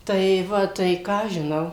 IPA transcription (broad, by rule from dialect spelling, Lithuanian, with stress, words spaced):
tɐɪ ˈʋɐ ˈtɐɪ ˈkɑː ɐʃ ʒʲɪˈnɐʊ